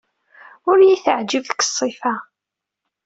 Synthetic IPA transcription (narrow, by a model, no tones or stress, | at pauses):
ʊɾjiθəʕd͡ʒəvðkə̥sˤːifa